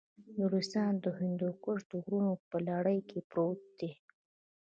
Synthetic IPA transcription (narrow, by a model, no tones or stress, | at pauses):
nuɾisɑnd̪əɦɪnd̪okʊʐt̪oɣɾunopəlɑɽəjkʰepɾot̪̚d̪̥e